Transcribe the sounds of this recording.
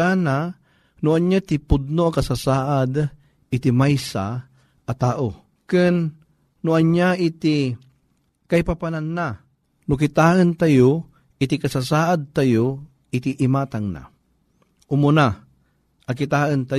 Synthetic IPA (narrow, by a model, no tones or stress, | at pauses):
ana | nʊʔɐɲjat̪ɪpʊd̪̚noakɐsasaːʔad̪ | ʔɪt̪ɪmajsa | ʔɐt̪aːʔo | kɨnː | ʊʔɐɲjaʔit̪ɪ | kɐipapananːa | nʊkɪt̪aːʔənt̪ajo | ʔɪt̪ɪkɐsasaːʔad̪̚t̪ajo | ɪt̪ɪʔɪmat̪aŋna̰ | ʔʊmʊna | ʔɐkɪt̪aːʔənt̪a